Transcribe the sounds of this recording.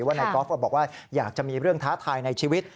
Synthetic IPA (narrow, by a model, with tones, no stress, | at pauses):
waː˥˩na˧kɔː˦˥fa˧˩bɔː˨˩k̚waː˥˩jaː˨˩k̚t͡ɕa˨˩ʔmiː˧ɾɯ˥˩əŋt̪ʰaː˦˥t̪ʰaː˧jna˧jt͡ɕʰiː˧wi˦˥t̪̚